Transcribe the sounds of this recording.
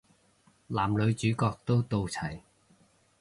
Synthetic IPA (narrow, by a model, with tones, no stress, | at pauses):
laː˨˩mlɵ˨˧ɥt͡ʃyː˨˥kɔː˧k̚t̪o˥wt̪o˧wt͡sʰɐ˨˩j